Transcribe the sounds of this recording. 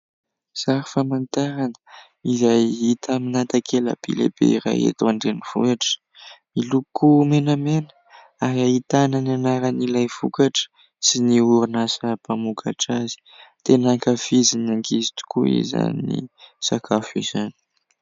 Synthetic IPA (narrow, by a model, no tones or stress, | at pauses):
z̥aɾifamant̪aɾanə̥ | izajɦit̪aminat̪akʰela̰b̥ḭlḛb̥ḛiɾa̰jḛt̪waɳɖ͡ʐeniv̥ṵaʈ͡ʂə̥ | milukumenamenə̥ | aɾiaɦit̪ananianaɾanilajfṵkaʈ͡ʂə̥ | siniuɾinasəpamukʰaʈ͡ʂazi̥t̪enaŋkafizinaŋkʰizi̥t̪u̥kṵḭza̰niḭsakʰafizani̥